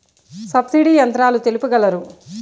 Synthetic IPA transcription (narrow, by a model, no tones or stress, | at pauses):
sɐbsiɽiːjɐnt̪ɾaːlut̪e̞lupuɡɐlɐɾu